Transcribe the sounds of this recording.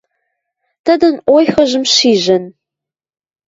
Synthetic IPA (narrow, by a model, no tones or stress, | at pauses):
d̥ɐdɐnʔʷɔjxɐʑɨmɕiːʒɐn